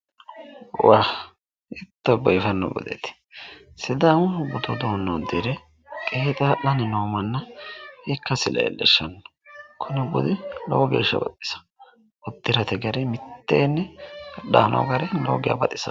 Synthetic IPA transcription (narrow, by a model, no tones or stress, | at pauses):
waː | ɪt̪ːɔbɔjfɐnːɔ̰bʊ̰d̪ɛ̰t̪ɪ̥ | sɪd̪aːmʊbʊt̪ɔd̪oːnːɔd̪ɪɾɛ | kʼeːt̪ʼaːʔɐnɛnoːmɐnːɐhɛkːɐsɪlɐ̰ɛ̰lːɛ̰ʃːɐnːɔ̥kʰʊnɛbʊ̰d̪ɪlo̰wɡḛːʃːɐ̰bɐt̪ʼːɪ̥sɐ̥ | ʊd̪ːɪɾɐt̪ɛɡɐɾɛmɪt̪ːeːnːɛɐɗa̰ːnʔo̰ɡɐɾɛlo̰ːɡɪja̰bɐt̪ʼːɪsɐ